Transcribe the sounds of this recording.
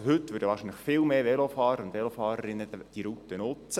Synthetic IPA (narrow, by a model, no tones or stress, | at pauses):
ɦʏt̪ːʋʏːɾdəʋɑːɾʃiːnləχfɪlmeːʋɛlofɑːɾəɾʊnd̪ʋɛlofɑːɾəɾɪnːəd̥iɾut̪ənʊt͡st͡sə